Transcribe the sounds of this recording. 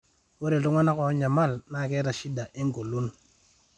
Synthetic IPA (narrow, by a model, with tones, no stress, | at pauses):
wo˦ɾe˨tu˦ŋa˦na˦kɔ˨˦ɲa˨ma˦˨lna˦˨ke˦ɾa˨ʃi˦da˨ʔi˦ŋ˦ɡo˨lu˦n